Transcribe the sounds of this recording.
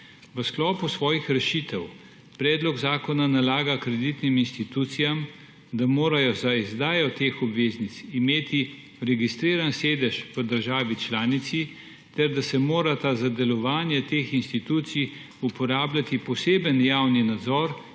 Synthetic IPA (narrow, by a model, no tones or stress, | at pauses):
ʋəsklɔːpusʋɔːjixɾɛʃiːt̪ɛw | pɾɛːd̪lɔɡzaːkɔnanalaːɡakɾɛd̪it̪niminst̪it̪uːt̪sijam | d̪amoːɾajɔzaizd̪aːjɔt̪eːxɔbʋeːznit̪simeːt̪i | ɾɛɡist̪ɾiːɾanseːd̪ɛʃʋəd̪əɾʒaːʋit͡ʃlaːnit̪si | t̪ɛɾd̪asɛmoːɾat̪azad̪ɛlɔʋaːnjɛt̪eːxinst̪it̪uːt̪sij | upɔɾaːblʲjat̪ipɔseːbənjaːwninad̪zɔːɾ